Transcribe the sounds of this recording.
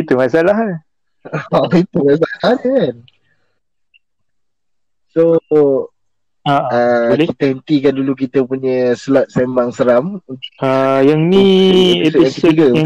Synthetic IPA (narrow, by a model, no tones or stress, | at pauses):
it̪umasalaɦan | it̪umas̬alankan | so | aakit̪əhənt̪ikandulukit̪əpuɲəsəlat̪̚sɛmaŋsəɾamajaŋnietaŋiiɡə